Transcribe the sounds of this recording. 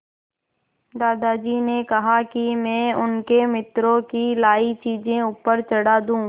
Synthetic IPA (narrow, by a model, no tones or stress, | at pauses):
d̪aːd̪ad͡ʒiːnekɐɦakimɛ̃ːʊnkemɪt̪ɾõkilaːit͡ʃiːd͡ʒẽuːpəɾt͡ʃəɽaːd̪ũː